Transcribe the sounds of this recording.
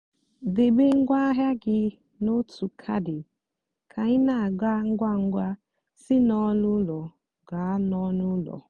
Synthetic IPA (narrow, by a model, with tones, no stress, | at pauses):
de˨be˦ŋ̩˦ɡʷa˦ɦja˦ɡɪ˨ | no˦tʰu˨kʰa̰˦dɪ˨ | kʰa˨ɲɪ˦na˨a˨ɡa˦ŋ̩˦ɡʷa˦ŋ̩˦ɡʷa˦ | sɪ˦nɔ˦nʊ˦lɔ˨ | ɡa˨˦nɔ˦nʊ˦lɔ̰˨